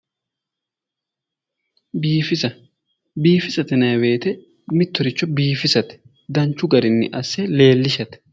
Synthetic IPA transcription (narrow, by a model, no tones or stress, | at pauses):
biːfɪsɐ | biːfɪsɐt̪ɛnɐjwe̞ːt̪ɛ | mɪt̪ːɔɾɪt͡ʃːɔbiːfɪsɐt̪ɛ̥ | d̪ɐnt͡ʃːʊɡɐɾɪnːɪ̰ʔɐsːɛle̞ːlːɪʃɐt̪ɛ̥